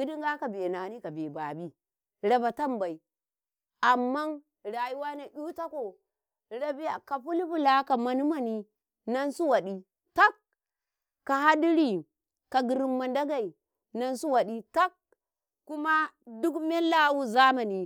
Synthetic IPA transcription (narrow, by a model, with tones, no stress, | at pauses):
ɡi˦di˦ŋɡa˦ka˨bi˨na˨ni˦ka˨be˨ba˨bi˦ | ɾa˨ba˨ta˦mba˨i˨ | a˨mːa˦n | ɾa˨ji˦wa˦na˨ʔʲu˦ta˦ko˨ | ɾa˨bi˦ja˨ka˨ɸu˦lɸu˦la˨˦ka˨ma˨nu˦ma˨ni˨ | na˦nsu˦wa˨ɗi˨ | ta˦kː | a˨ha˦di˦ɾi˨ | ka˨ɡi˨ɾi˨mːa˨nda˦ɡa˨i˨ | na˦nsu˦wa˨ɗi˦ta˦kː | u˦ma˦du˦kme˦la˦wu˦za˦ma˨ni˨